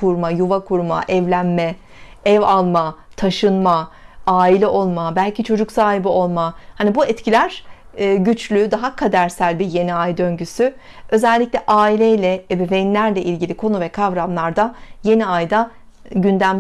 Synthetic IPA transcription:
kʰuɾmajuvakʰuɾma̰ʔɛvlʲænmɛ | ɛvalˠmat̪ʰaʃɯnmaaːilʲɛʔo̞lˠmabælʲcit͡ʃʰo̞d͡ʒuksaːɦibio̞lˠmahanibuɛt̪cʰilʲæɾ̥ː | ɟyt͡ʃʰlʲyd̪aɦakʰad̪æɾsælʲbije̞niajd̪ø̞ɲɟysy | ø̞zɛlʲːicʲlʲɛʔaːilʲejlʲɛɛbɛvejinlʲæɾlʲɛʔilʲɟilʲikʰo̞nuvɛkʰavɾamlˠaɾd̪aje̞niajd̪a | ɟynd̪æm

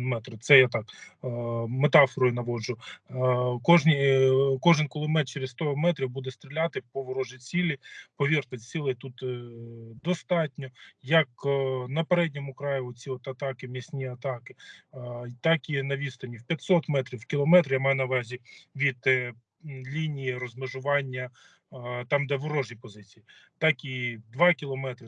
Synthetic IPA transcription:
nmɛt̪ɾɐt̪sɛjat̪ɑk | met̪ɑfɔɾʊjʊnɐʋɔʒʊ | kɔʒnʲikɔʒɪnkɔlˠɔmɛt̪t͡ʃeɾest̪ɔɔmɛt̪ɾʲiwbud̪ɛst̪ɾʲilʲat̪ɪpɔʋɔɾɔʒit͡sʲilʲipɔʋʲirt̪ɔt͡sʲilˠɪt̪ut̪ | d̪ɔst̪ɑtʲnʲɔjɐknɐpeɾɛd̚ʲnʲɔmʊkɾɑjʊɔt͡sʲiɔt̪ɐt̪ɑkɪmʲisʲnʲiɐt̪ɑkɪ | t̪ɑkinɐʋʲist̪ɐnʲiwpʲjɐt̪sɔt̪mɛt̪ɾʲiwkʲilˠɔmɛt̪ɾjamɑjʊnɐʋɾɑzʲiʋʲid̪ | lʲinʲijirɔzmeʒʊʋɑnʲːɐ | t̪ɑmd̪ɛʋɔɾɔʒjipɔzɪt͡sʲiji | t̪ɑkid̪ʋɑkʲilˠɔmɛt̪ɾʲɪ

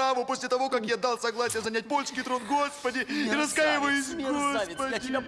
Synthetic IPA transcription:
avʊpo̞sʲlʲɪt̪ɐvo̞kakjad̪alˠsɐɡlˠasʲɪjəzɐnʲat̚ʲpolʲt͡ʃkʲɪt̪ɾonɡo̞spədʲɪiɾɐskajɪvəjʊsʲɡospədʲɪ

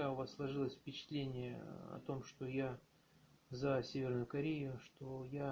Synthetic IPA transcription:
aʊvasːlˠɐʐɨlˠəsʲfpʲɪt͡ɕɪ̥t̪lʲenʲɪjə̰ɐ̰t̪o̞mʂt̪o̞ja | zɐsʲevʲɪrnʊjʊkɐɾʲejʊʂt̪o̞ja

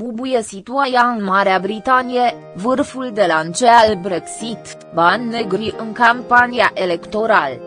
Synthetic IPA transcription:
pubujesit̪uajaɨnmaɾeabɾit̪anije | vɨrfuld̪e̞lant͡ʃealbɾeksit̪ | banːeɡɾiʔɨŋkampaniaʔe̞le̞kt̪o̞ɾal

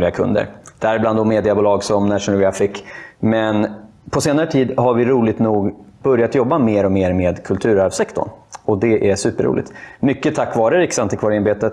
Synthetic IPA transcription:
lɪɡakʰɵ̰nd̪ə̰ɾd̪̥ɛhæɾɪbland̪ɔmeːd̪ɪabuːlɑːɡsɔmnæʂʊnalɡɾafɪkːmɛn | pʰɔseːnaɾət̪ʰiːd̪ɦaɾvɪɾuːlɪɡt̪nuːɡb̥ɵɾjat̪jɔbːameːɾɔmeːɾmeːd̪kʰɵlt̪ʰʉ̟ːɾæɾvsɛkt̪ʰɔ̰ɳɔd̪ɛʔæʂʉ̟ːpəɾṵːlɪ̰t̪mʏkːət̪ʰakːvɑːɾəɾɪksant̪ɪkvɑːɾəɪnbeːt̪ət̪

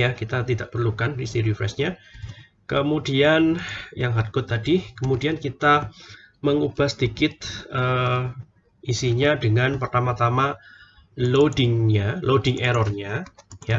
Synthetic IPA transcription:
jakit̪at̪idaʔpərlukandisiɾifɾɛ̰sɲa | kəmudianjaŋɦat̪̚kʊt̪ːadikəmudiankit̪a | məŋub̥ahsəd̪̥ikɪt̪̚ə | ʔisiɲadəŋanpərt̪amat̪ama | lodɪŋɲalodɪŋʔɛɾɔrɲaja

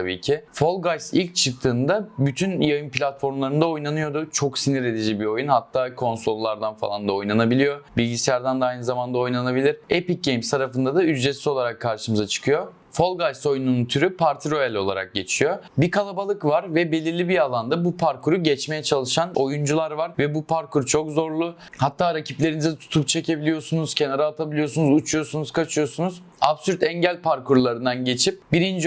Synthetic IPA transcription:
abḭːcʰɪfo̞lˠɡajsilʲc̚t͡ʃʰɯk̚t̪ʰɯːnd̪abyt̪ʰynjajɯnplʲat̪fo̞ɾmlˠaɾɯnd̪ao̞jnanɯjo̞d̪ʊt͡ʃʰo̞ksiniɾe̞d̪id͡ʒibio̞junhat̪ʰːaːkʰo̞nso̞lˠːaɾd̪anfa̰lˠand̪ao̞jnanabilʲijo̞bilʲɟisʲijæɾd̪and̪aajnɯzamand̪ao̞jnanabilʲiɾepic̚ɟejmst̪ʰaɾafɯnd̪ad̪ayzd͡ʒesizo̞lˠaɾakʰːaɾʃɯmɯzat͡ʃʰɯ̥kʰɯjo | fo̞lˠɡajso̞jnununt̪ʰyɾypʰaɾt̪ʰiɾo̞jɛlʲo̞lˠa̰ɾa̰k̚ɟe̞t͡ʃʰijo̞bikʰalˠabalˠɯkvaɾvɛbe̞lʲiɾlʲibialˠand̪abupʰaɾkʰuɾuɟɛt͡ʃme̞jɛt͡ʃʰalˠɯʃano̞jund͡ʒulˠaɾvaɾvɛbupʰaɾkuɾt͡ʃʰo̞kzo̞ɾlˠʊ | hat̪ʰːaːɾacʰiplʲe̞ɾinizɛt̪ʰu̥t̪ʰup̚t͡ʃʰe̞cʰe̞bilʲijo̞sunuz̥cʰe̞naɾaːt̪ʰabilʲijo̞sunuzut͡ʃʰujo̞sunuzkʰat͡ʃʰɯjo̞sunuz | apsyɾt̪ɛɲɟælʲpʰaɾkʰuɾlˠaɾɯnd̪anɟe̞t͡ʃʰip̚biɾind͡ʒ

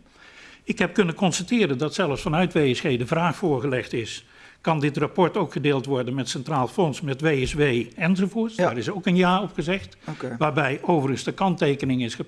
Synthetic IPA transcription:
ɪkɦɛp̚kɵnənkɔnstatɪːɾəndɑtsɛlˠəfsfɑnœɥtʋejɛsxejdəvraːχfʊːɹɣəlɛχtɪs | kɑndɪtrapɔɹtowkχədeːlˠtʋɔɹdənmɛtsɛntraːlˠfɔnsmɛtʋeɛsʋejɛnzovʊːtsdaːrɪsowkənjaːɔpχəzɛxtʋaːɹbɛjowvərənsdəkɑntejkənɪŋɪsχə

